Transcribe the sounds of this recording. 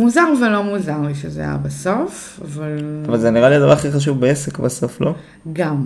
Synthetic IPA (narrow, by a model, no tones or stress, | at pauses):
muzaʁvelo̞muzaʁliʃezea̰ja̰baso̞f | avalavalzeniʁaliad̪avaʁχiχaʃ̬uvbeesekbaso̞flo | ɡam